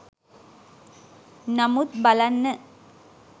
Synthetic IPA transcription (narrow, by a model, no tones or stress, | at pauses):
namut̪̚balanːə